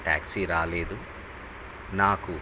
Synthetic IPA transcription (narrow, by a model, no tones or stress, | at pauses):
ʈa̰ːksiɾaːleːd̪u | naːku